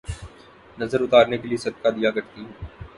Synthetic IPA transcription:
nɐzəɾʊt̪aːɾnekeliesɐd̪kad̪ijaɡɐɾt̪iɦɛ

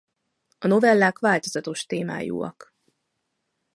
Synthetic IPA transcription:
ɒno̞vɛlːaːkʋaːlt̪ozɒt̪o̞ʃt̪eːma̰ːjṵːɒ̰k

